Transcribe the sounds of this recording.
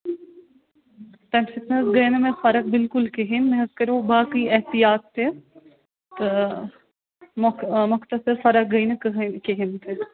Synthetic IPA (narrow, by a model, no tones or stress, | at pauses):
t̪ɐ̃nfɪt̪nɐsɡɐjnɐmẽfɐɾɐk̚bɪlkʊlkeɦinmẽɦɐzkɐɾobaːkiɛɦt̪ijaːt̪ːe | t̪ɨ | mmʊkʰt̪ɐsɐɾfɐɾɐk̚ɡɐjnɐkɦkeɦint̪ʰe